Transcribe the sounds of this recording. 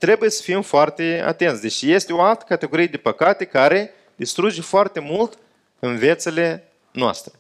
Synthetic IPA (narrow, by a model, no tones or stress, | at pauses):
t̪ɾe̞bujesə̥fimfoart̪e̞a̰t̪e̞nsʲd̪e̞t͡ʃije̞st̪eo̞alt̪ə̥kat̪e̞ɡo̞ɾijed̪epəkat̪e̞kaɾe̞ | d̪ist̪ɾud͡ʒefoart̪e̞mult̪ | ɨnve̞t̪sele̞ | noa̰st̪ɾe